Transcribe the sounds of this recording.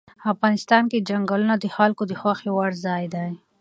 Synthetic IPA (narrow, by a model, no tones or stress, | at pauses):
afɣɑːnɪst̪ɑːnked͡ʒɐŋɡalunad̪ixaːlkod̪ixwaxewaɽzɑːjd̪aj